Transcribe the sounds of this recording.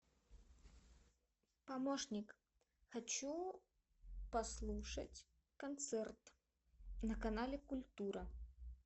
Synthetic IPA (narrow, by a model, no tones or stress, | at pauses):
pamɔʂnʲik | xat͡ɕu | paslˠuʂɐ̰t͡sʲ | kant̪sɛrt̪ | nɐkanalʲɛkulʲt̪uɾɐ